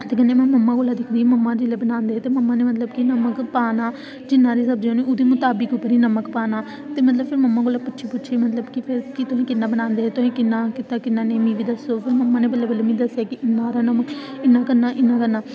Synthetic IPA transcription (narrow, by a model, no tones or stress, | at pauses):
t̪eːkənːeːmɛ̃ːməmːãːɡoːlaːd̪ɪkʰd̪iːməmːãːd͡ʒɪleːbənãːnd̪eːɛːt̪eːməmːãːneːmət̪̬ləbkinəməkpaːnaː | d͡ʒɪnːãːɾiːsəbd͡ʒeõːnĩːoːd̪iːmʊt̪aːbɪkʊpːəɾiːnəməkpaːnaː | t̪eːmət̪̬ləbpʰɪɾməmːaːɡoːlaːpʊtːʃʰiːpʊtːʃʰeːmət̪ləbkɪpʰɪɾkɪt̪ʊɦẽːkɪnːaːbənãːnd̪eːɦɛːt̪ʊɦẽːkɪnːãːkɪt̪aːkɪnːãːneːmĩːʋiːd̪əsoːpʰɪɾməmːãːnẽːbələbələmĩːd̪əsːjaːkɪʔɪnːãːɾaːnəməkɪnːaːkəɾnaːʔɪnːãːkəɾnaː